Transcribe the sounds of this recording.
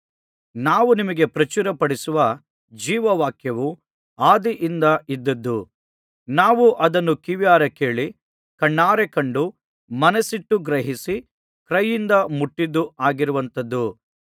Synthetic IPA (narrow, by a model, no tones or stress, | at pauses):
naːʋunimɐɡe̞pɾɐt͡ʃuɾɐpɐɽisuʋɐ | d͡ʒiːʋɐʋaːkjɐʋu | aːd̪iʔind̪ɐʔid̪ːɐd̪ːu | naːʋuʔɐd̪ɐnːukiʋjaːɾɐke̞ːɭi | kɐɳːaːɾekɐɳɖu | mɐnɐsiʈːuɡɾɐɦisi | kɾɐjːind̪ɐmuʈːid̪ːuaːɡiɾuʋɐnt̪ɐd̪ːu